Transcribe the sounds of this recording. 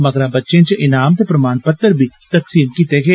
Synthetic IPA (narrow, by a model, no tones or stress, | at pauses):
mɐɡɾabɐtːʃẽt͡ʃeʔɪnaːmt̪pɾɐmaːnpɐt̪ːəɾbʱit̪ɐksiːmkit̪eɡeː